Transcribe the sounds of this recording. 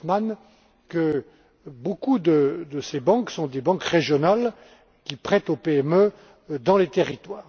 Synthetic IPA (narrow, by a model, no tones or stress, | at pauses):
man | kə | bokud̪əd̪əsebɑ̃ksɔ̃d̪ebɑ̃kʁeʒjɔnal | kʲipχɛt̪opeɛmø | d̪ɑ̃let̪eʁit̪waːʁ